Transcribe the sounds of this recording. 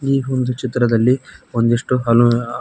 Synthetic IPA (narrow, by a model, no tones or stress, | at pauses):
iːond̪ut͡ʃit̪ɾɐd̪ɐlːiond̪iʂʈuɦɐlu